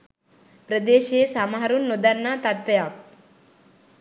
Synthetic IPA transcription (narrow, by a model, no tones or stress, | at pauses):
pɾəd̪eːʃeːsamaɦaɾunːod̪anːaːt̪at̪ʋejak̚